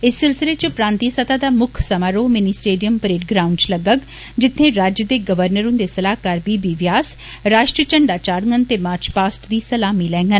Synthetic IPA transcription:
ɪsːɪlsɪleːt͡ʃpɾãːnt̪iːsət̪aːd̪aːmʊkʰsəmaːɾoːmɪniːsʈeːɖijəmpɾeːʈ̚ɡɾaːʊɳɖt͡ʃləɡək | d͡ʒɪt̪ʰːẽːɾaːd͡ʒjəd̪eːɡəʋəɾnəɾʊ̃nd̪eːsəlaːkaːɾbiːbiːʋjaːs | ɾaːʃʈɾiət͡ʃəɳɖaːt͡ʃaːɾŋɡənt̪eːmaːɾt͡ʃpaːsʈd̪iːsəlaːmiːlɛ̃ːŋɡən

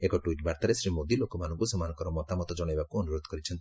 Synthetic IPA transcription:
ekɔʈuiʈbaɾt̪aɾesɾimod̪ilokɔmanɔ̃ŋkusɔmanɔŋkɔɾɔmɔt̪amɔt̪ɔd͡ʒɔɽ̃ejbakuɔnuɾod̪ʱkɔɾit͡ʃʰɔnt̪i̥

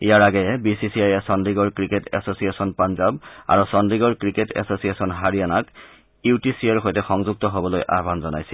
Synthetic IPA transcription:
ijaɹaɡɛjɛbisisiajɛsɔndiɡɔɹkɹiketɛ̰sosijesɔnpanzaba̰ɹusɔndɹiɡɔɹkɹiketɛ̰sosiesɔnɦaɹijanak | itisiɛɹxojtɛxɔŋzuɡ̚tɔɦobɔlojʔa̰ɦbʱanzɔna̰jsɛl

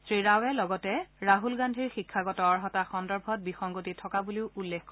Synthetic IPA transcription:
sɹiɹawɛlɔɡɔtɛɹaɦulɡandʱiɹxikʰːaɡɔtɔaɹɦɔtaxɔndɔɹbʱɔt̚bixɔŋɡotitʰɔkabuliʊʔulːekkɔ

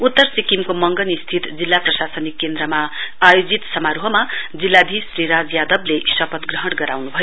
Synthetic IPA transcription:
ut̪ːʌrsikimkomʌŋɡʌnist̪ʰit̪d͡zilːaprʌsasʌnikːend̪ɾʌmaːjod͡zit̪sʌmaɾuɦʌmad͡zilːab̪ʱisriɾad͡zjad̪ʌblesʌpʌt̪ɡrʌɦʌɽɡʌɾawnubʱʌjo

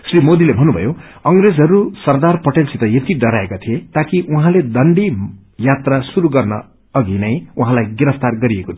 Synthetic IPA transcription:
srimod̪ilebʱʌnːubʱʌ̰jo | ʌŋred͡zɦʌɾusʌrd̪arpʌʈelsit̪ʌjet̪iɖʌɾaekat̪ʰiet̪akiʔuɦãled̪ʌɳɖi | jat̪rasuɾuɡʌrnʌ̰ | ʌɡinʌjuɦãlajɡiɾʌft̪arɡʌɾiekot̪ʰ

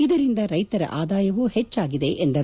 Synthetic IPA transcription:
id̪ɐɾind̪ɐɾɐjt̪ɐɾɐ̰ʔaːd̪aːjɐʋuhet͡ʃːaːɡid̪e̞ʔend̪ɐ

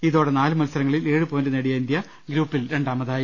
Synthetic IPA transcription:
iðoːɽenaːlɨmɐlsɐɾɐŋːɐɭile̞ːɻɨpoːndɨneɽijɐind̪jɐ | ɡɾuːpːilɾe̞ɳɖaːmɐðaːji

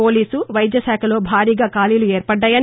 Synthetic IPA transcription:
oːliːsuʋɐjd̪jɐsaːkʰɐlo̞ːbʱaːɾiːɡaːkaːlijlueːɾpɐɖːɐjɐn

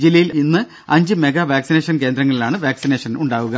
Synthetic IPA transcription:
d͡ʑilːɐjilinːɨ | ɐɲd͡ʑɨme̞ɡɐʋaːksine̞ːʂɐnk̬e̞ːnd̪ɾɐŋːɐɭilaːɳɨʋaːksine̞ːʂɐnuɳɖaːʋuɣɐ

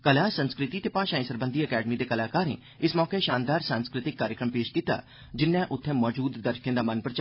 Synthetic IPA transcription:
kəlaːsənskɾɪt̪iːt̪eːpãːʃaːĩsəɾbənd̪iːəkɛːɖəmiːd̪eːkəlaːkaːɾḛː | ɪsmɔːkeʃaːnd̪aːɾsãːnskɾɪt̪ɪkːaːɾjəkɾəmpeːʃkiːt̪a̰ː | d͡ʒɪnːɛ̃ːʔʊt̪ʰːɛ̃ːmɔːd͡ʒuːd̪ːəɾʃkẽd̪aːmənpəɾt͡ʃː

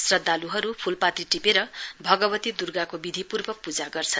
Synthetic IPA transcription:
srʌd̪ːaluɦʌɾupʰulpat̪iʈipeɾʌbʱʌɡʌbʌt̪id̪urɡakobid̪ʱipurbʌpud͡zaɡʌrt͡sʰʌn

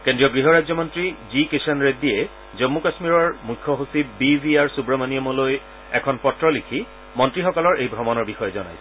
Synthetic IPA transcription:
kẽndɹiɔɡɹiɦɔɹajzɔmɔntɹizikesanɹediɛ | zɔmːukasmiɹɔɹmujkʰːɔɦusibibʱiaɹsubɹɔmaniɔmɔloj | ɛ̰kʰɔnpɔtːɹɔlikʰi | mɔntɹixɔkɔlɔɹʔejbʱɹɔmɔnɔɹbixɔjɛzɔna̰jsɛ̥

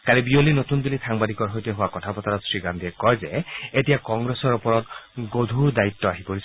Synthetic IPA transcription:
kaɹibiolinot̪und̪ilisaŋbad̪ikɔɹɦojtɔɦʊwakɔtʰapɔt̪aɾɔsɹiɡand̪iɛkɔjzeetijakɔŋɡɹesɔɹupɔɹɔtɡod̪ʱuɹd̪ait̪ːɔaɦipoɹisʰ

